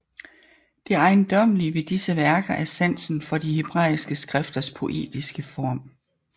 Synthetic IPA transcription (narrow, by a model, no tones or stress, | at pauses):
d̥eɑ̈ɪnd̥ɒ̽m̰əliəʋe̝d̥isəʋæɐɡ̥ɐʔæɐsæn̰sn̩fɒ̽d̥ihe̝b̥ʁɑ̰̈ːisɡ̥əsɡ̥ʁɛfd̥ɐspʰo̝ʔe̝̰ːd̥isɡ̥əfɒ̰ːm̰